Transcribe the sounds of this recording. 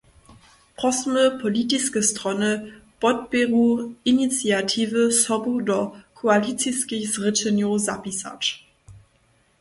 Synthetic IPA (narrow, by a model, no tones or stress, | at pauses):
pʁ̥ɔsməpʰɔlitiskəstʁ̥ɔnəb̥ɔt̚beʁuʔinit͡sjatʰiːvəsɔbudɔkʰoalit͡siskiçzʁɪtənjoza̰pisa̰t͡ʃ